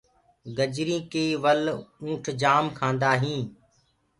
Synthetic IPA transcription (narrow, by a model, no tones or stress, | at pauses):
ɡəd͡ʒɾĩːkeːʋəlũːʈʰd͡ʒaːmkʰãːnd̪aːɦĩː